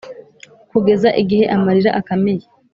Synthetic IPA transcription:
kuɡe̞zaʔiɡihe̞ʔamaɾiɾaʔakameje

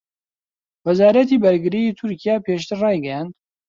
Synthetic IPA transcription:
wɛzaːɾɐt̪iːbɐɾɡɨɾiiːt̪ʰuɾkʰijaːpʰeːʃt̪ʰɨɾrɑːjɡɛjand̪

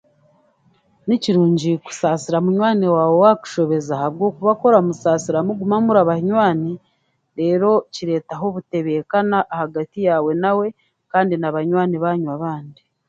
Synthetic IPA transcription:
niciɾuːɲɟiku̥saːsiɾamuɲwaːnewaːwe̞waku̥ʃo̞βe̞zahaβɡo̞ːkuβako̞ɾamusaːsiɾamuɡumamuɾaβahiɲwaːni | ɾe̞ːɾo̞ciɾe̞ːtaɦo̞βute̞βe̞kanaʔːhaɡatijaːwe̞nawe̞ | kaːndinaβaɲwaːniβaːɲwaβaːndi

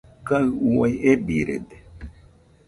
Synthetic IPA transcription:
kaɨuwajebiɾḛd̪e̥

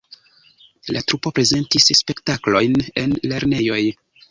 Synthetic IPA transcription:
latɾupo̞pɾe̞ze̞ntisspe̞ktaklo̞jne̞nle̞ɾne̞jo̞j

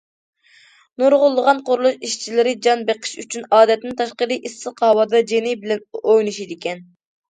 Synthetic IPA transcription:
nuɾʁʊlˠːəʁɑnqʊɾlˠuʃiʃt͡ʃʰilɪɾɪd͡ʒɑnbeqʰə̥ʃyt͡ʃʰynɑːd̪ɛt̪nɪnt̪ʰɑʃqəɾɨʔisːɨqʰhɑwɑd̪ɑd͡ʒenɪbɪlɛnojnuʃid̪ɪkʲɛn

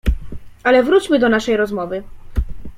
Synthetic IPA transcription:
alɛvɾut͡ɕmɘd̪ɔnaʂɛjɾɔzmɔvɘ

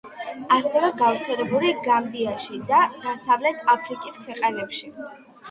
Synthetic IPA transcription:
asɛvɛɡavɾt̪sʰɛlɛbuliɡambiaʃid̪ad̪̥asavlɛt̪ʰapʰɾikʼiskʰwɛqʼanɛpʃi

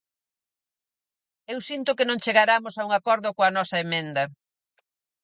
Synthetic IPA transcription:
ewsint̪ʊkɪnõŋt͡ʃeɣaɾamosauŋakɔɾðʊkoɐnɔsɐemẽnd̪ɐ

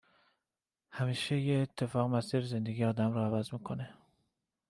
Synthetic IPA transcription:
hæmiːʃejeːt̪ʰːe̞fɒːɣemæsiːɾze̞nd̪eɡiːɒːd̪æmɾɔævæzmiːkʰo̞ne

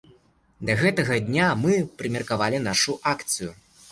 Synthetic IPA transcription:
d̪ɐɣɛt̪ɐɣɐd̪ʲnʲamɨpɾɨmʲɐrkavalʲinaʂuʔakt̪sɨju

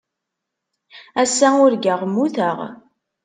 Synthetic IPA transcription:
æsːæʊɾɡæʁmːuθəʁ

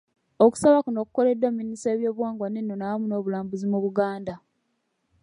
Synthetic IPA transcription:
oku̥saβakuno̞kuko̞le̞dːwemːinise̞ːβjo̞ːβwaːŋɡwanenːonawamuno̞ːβulaːmbuzimuβuɡaːnda

